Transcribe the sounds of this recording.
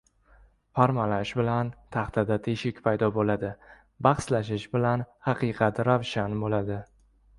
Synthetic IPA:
fʰaɾmalaʃbɪlant̪ʰaχt̪ʰad̪at̪ʰeʃɪkʲpʰajd̪ɒbolad̪ɪ | bɑχslaʃɪʃbɪlanhaqɨjqʰɑt̪ɾavʃanbolad̪ɪ

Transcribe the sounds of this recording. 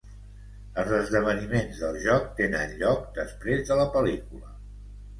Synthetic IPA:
əlˠzəzðəβ̞ənimenzðəlˠʒɔk̚t̪enənʎɔk̚d̪əspɾezðələpəlikulə

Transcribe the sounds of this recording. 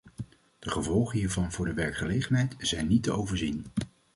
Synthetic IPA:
d̥əχəvɔlˠχəɦiːɹvɑnvʊːɹdəʋɛɹkχəlejχənɦɛjtz̥ɛjnːitəowvəɹzin

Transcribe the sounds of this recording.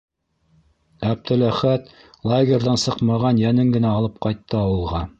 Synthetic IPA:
æb̚t̪ɘ̆læχæt̪ | lˠaɡʲerðɑnsɤqmɑʁɑnjænɘŋɡɘ̆næɑlˠɤp̚qɑjt̪ːɤɑwɤ̆lˠʁɑ

